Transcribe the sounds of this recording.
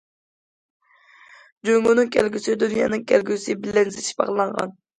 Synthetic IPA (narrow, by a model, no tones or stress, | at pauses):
d͡ʒøŋunɨŋkʲʰɛlɡʲysɪd̪unjɑ̰ːnɨŋkʲʰɛlɡʲysɪbɪlɛnzɪt͡ʃi̥bɑ̰ʁlˠɑɴʁɑ̰n